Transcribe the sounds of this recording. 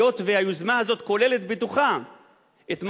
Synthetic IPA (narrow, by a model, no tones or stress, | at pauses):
o̞t̪veajuzmaɦazo̞t̪ko̞le̞le̞t̪bet̪uχa | et̪m